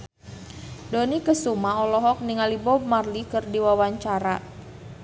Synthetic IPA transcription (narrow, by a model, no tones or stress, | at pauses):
donikəsumaɔlɔɦɔk̚niŋalibɔb̚marlikɨrdiwawaɲt͡ʃaɾa